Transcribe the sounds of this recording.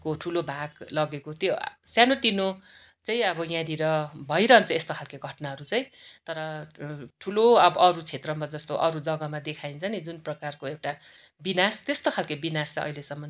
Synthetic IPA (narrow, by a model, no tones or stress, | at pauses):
koʈʰulobʱaɡlʌɡekot̪josjanot̪ino | t͡saĩʌbʌjãd̪iɾʌbʱʌjɾʌɦʌnt͡sʰʌest̪okʰalkeɡʱʌʈnaɦʌɾut͡sʌj̃t̪ʌɾʌʈʰuloʌbʌʔʌɾut͡sʰet̪rʌmad͡zʌst̪oʔʌɾud͡zʌɡʌmad̪ekʰaint͡sʰʌnid͡zunprʌkarkoewʈa | binast̪est̪okʰalkebinast͡sãʌ̰ɦilesʌmːʌn